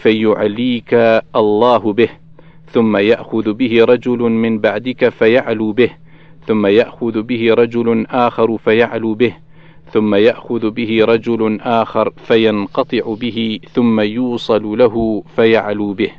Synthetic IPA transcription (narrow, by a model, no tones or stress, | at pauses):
fajʊʕalːiːkaʔɑlˤːɑːɦʊbɪh | θʊmːajaʔxʊðbɪhɪɾˤɑd͡ʒʊlʊmɪnbaʕd̪ɪkafajaʕluːbɪh | θʊmːajaʔxʊðbɪhɪɾˤɑd͡ʒʊlʊʔaːxɑɾˤfajaʕluːbɪh | θʊmːajaʔxʊðbɪhɪɾˤɑd͡ʒʊlʊʔaːxɑɾˤfajanqɑt̪ˤɨʕʊbɪɦɪθʊmːajuːsˤɑllaɦʊfajaʕluːbɪh